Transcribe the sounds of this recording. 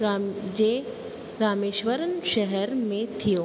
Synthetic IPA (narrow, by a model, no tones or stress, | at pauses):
d͡ʑe | ɾaːmeːʃʋəɾənʃɛɦɛɾmẽt̪ʰijoː